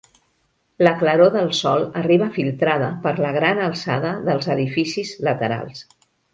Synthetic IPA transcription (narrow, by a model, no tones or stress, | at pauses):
ləkləɾoðəlˠsɔlˠəriβəfilˠt̪ɾaðəpəɾləɣɾanəlˠsa̰ðəðəlˠzəðifisizlət̪əɾa̰lˠs